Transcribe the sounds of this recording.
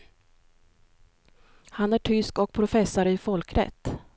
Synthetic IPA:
hanæʈʰʏskɔk̚pʰɾʊfɛsːaɾɪfɔlkɾɛ̰t̪ː

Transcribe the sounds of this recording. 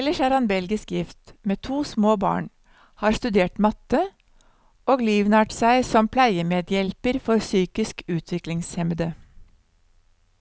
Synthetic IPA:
ɛləʃæːɾɑnbɛlɡɪskjɪft̪meːt̪ʰuːsmoːbɑ̰ːɳ | hɑːɾst̪ʉd̪eːʈmɑt̪ə | oːɡliːʋnɑːʈsæɪsɔmpʰlæɪəmeːd̪jɛlpəɾfɔɾsyːkɪskʉːt̪ʰʋɪklɪŋshɛmd̪ə

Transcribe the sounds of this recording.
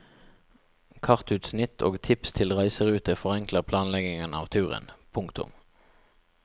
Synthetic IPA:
kʰɑʁt̪ʉːt̪snɪt̪ʰo̰ːɡt̪ʰɪpst̪ʰɪlʁæɪsəʁʉːt̪əfɔʁɛŋkləʁpʰlɑːnlɛɡɪŋənɑ̰ːʋt̪ʰʉːʁə̰npʰʊŋkt̪ʊ̰m

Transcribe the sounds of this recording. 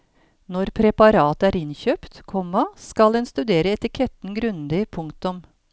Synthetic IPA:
nɔɾpʰɾɛpɑɾɑːt̪æːɾɪnçøːpt̪kʰɔmɑskɑld̪ɛnst̪ʉd̪eːɾəɛt̪ɪkʰɛt̪n̩ɡɾʉnd̪ɪpʰʊŋkt̪ʊm

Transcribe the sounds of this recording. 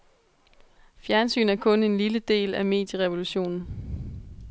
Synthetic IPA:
fjæɐnsy̰ːn̩æɐkʰɔ̽ne̝nliləd̥e̝̰ːlæme̝̰ːd̥jəʁɛʋo̝luɕo̝̰ːnn̩

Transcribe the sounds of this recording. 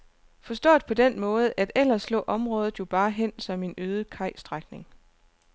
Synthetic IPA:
fɒ̽sd̥ɔ̰̽ːd̥̚pʰɒ̽d̥enmɔ̽ːð̞̩ˠʔæd̥el̰ɐslɔ̰̽ːʔɒ̽mʁɔ̽ːð̞ˠð̩ˠjo̝b̥ɑ̈ːɦen̰sɒ̽me̝nøːð̞ˠəkʰɑ̈ɪ̰sd̥ʁaɡ̥ne̝ŋ

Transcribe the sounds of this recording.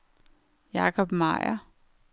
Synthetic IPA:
jɑːkʰɒb̥mɑ̰jɐ

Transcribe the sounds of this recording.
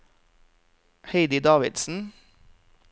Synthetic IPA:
heɪd̪ɪd̪ɑːʋɪd̪sn̩

